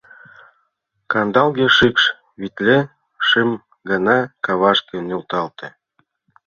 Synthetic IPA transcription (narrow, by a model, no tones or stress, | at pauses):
kɑnd̪ɑlˠɣeʃikʃ | βit̪lʲe | ʃem | ɡɑnɑkɑβɑʃkĕnʲult̪ɑlt̪ĕ